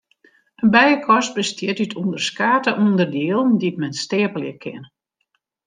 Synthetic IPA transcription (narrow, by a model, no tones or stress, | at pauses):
ənbɛjəkʰɔs̚bəstjɪtytʰundərskaːtəʔundərdiːlˠndit̚mɛnstɪəpəljəkʰɪ̰n